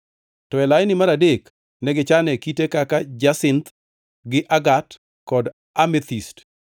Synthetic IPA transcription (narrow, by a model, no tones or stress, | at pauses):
tɔɛlajnɪmaɾadek | nɛɡɪt͡ʃanɛkitekakad͡ʒasɪnt̪ | ɡɪʔaɡat | kɔd | amɛt̪ist